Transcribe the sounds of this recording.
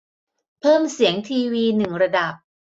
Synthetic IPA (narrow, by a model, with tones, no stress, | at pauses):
pʰɤː˥˩msi˩˦əŋt̪ʰiː˧wiː˧nɯ˨˩ŋɾa˧da˨˩p̚